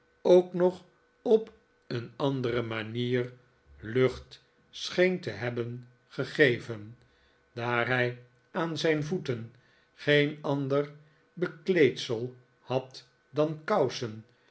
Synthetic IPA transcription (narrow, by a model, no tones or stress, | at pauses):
owknɔχ | ɔp | ənɑndərəmaniːr | lɵχt | sχejntəɦɛbən | χəχejvən | daːɹɦɛj | ʔaːnzɛjnvutən | χejnɑndər | bəklejtsəlˠ | hɑt | dɑnkɑwsən